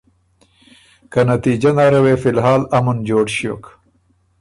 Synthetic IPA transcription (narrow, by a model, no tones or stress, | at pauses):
kɐnɐt̪iːd͡ʑɐŋaːɾɐweːfilɦaːlɐmund͡ʑoːʈɕjo̰ːk